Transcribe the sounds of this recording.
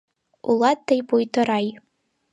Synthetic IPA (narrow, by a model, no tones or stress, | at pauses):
ṵlˠɑt̪ːɘjpujt̪ɤ̆ɾɑj